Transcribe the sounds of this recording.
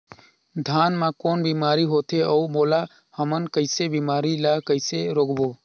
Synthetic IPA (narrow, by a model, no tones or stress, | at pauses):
d̪ʱaːnmãkoːnbiːmaːɾiɦoːt̪ʰeəumoːla | həmənkəɪsebiːmaːɾilakəɪseɾoːɡboː